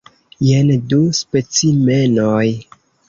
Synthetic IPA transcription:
jenduspe̞t͡sime̞noj

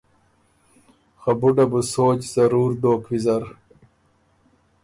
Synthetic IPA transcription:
xɐbuɖɐbusoːt͡ɕz̥ɐɾuːɾd̪oːkwizɐɾ

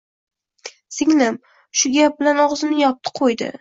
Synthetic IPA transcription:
sɪŋlɪm | ʃʊɡʲap̚bɪlanɒʁzɪnɪjɒp̚t̪ʰɨ̥qʰojd̪ɪ̰

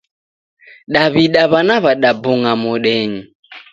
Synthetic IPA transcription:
ɗaβiɗaβanaβaɗabuŋamɔɗɛɲi

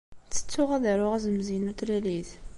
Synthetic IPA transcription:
t͡sːə̥t͡sːʊʁæðæɾʊʁæzəmzinut̪ɾiliθ

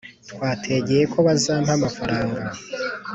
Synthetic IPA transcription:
tkwaːtʰe̞ɟejekʰo̞βazaːm̥hamafaɾaːŋɡa

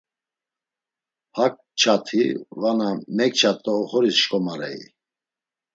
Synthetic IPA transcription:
hak̚ʼ | t͡ʃʰat̪ʰivanamɛk̚ʼt͡ʃʰat̪ʼːɔːχɔɾisʃkʼɔmaɾɛ̰ḭ

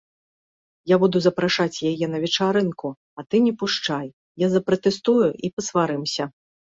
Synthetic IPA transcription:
jabud̪uzɐpɾaʂat͡sʲjajɛnɐvʲɛt͡ʂaɾɨnku | ɐt̪ɨnʲɛpuʂt͡ʂaj | jazɐpɾɐt̪ɛst̪ujuʔipɐsvaɾɨmsʲɐ

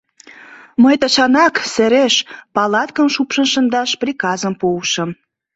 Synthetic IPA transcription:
məjt̪əʃɑnɑksĕɾeʃpɑlɑt̪kə̆mʃupʃə̆nʃənd̪ɑʃprikɑzəmpowʃə̆m

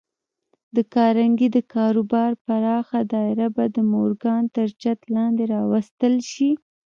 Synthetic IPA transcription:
d̪əkɑɾaŋɡid̪əkɑɾobɑɾpaɾɑxad̪ɑɪɾabad̪əmoɾɡɑnt̪əɾt͡ʃat̪lɑnd̪eɾɑwast̪əlʃi

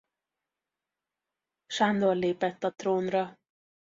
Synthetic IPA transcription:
ʃand̪orleːpɛt̪ːɒt̪roːnrɒ

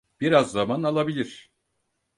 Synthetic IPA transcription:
b̥iɾazːamanalˠabilʲiɾ̥

